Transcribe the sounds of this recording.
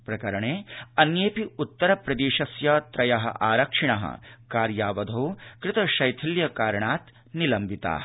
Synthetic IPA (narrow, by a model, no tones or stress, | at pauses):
pɾɐkɐɾɐɳeːɐnjeːpiut̪ːɐɾɐpɾɐd̪eːʃɐsjɐt̪ɾɐjɐɦɐ̰ʔaːɾɐkʂiɳɐɦɐ̰kaːɾjaːʋɐd̪ʱoːkɾɪt̪ɐʃɐjt̪ʰiljɐkaːɾɳaːt̪ | nilɐmbʱit̪a̰ː